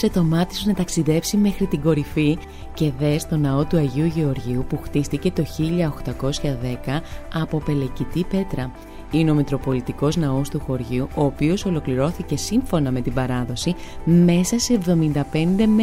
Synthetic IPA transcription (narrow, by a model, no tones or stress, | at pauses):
set̪o̞mɐt̪i̥sonɐt̪ɐksiðe̞psime̞xɾit̪iɡo̞ɾifi | ce̞ðe̞st̪o̞nɐo̞t̪uɐʝiuʝe̞o̞ɾʝiupuxt̪ist̪ice̞t̪o̞çiʎɐoxt̪ɐko̞sçɐðe̞kɐɐpo̞pe̞le̞cit̪ipe̞t̪ɾɐ | ineo̞mit̪ɾo̞po̞lit̪iko̞znɐost̪uxo̞ɾʝiuʔo̞ːpioso̞lo̞kliɾo̞θice̞siɱfo̞nɐme̞t̪ibɐɾɐðo̞sime̞sɐse̞ːvðo̞mind̪ɐpe̞nd̪e̞m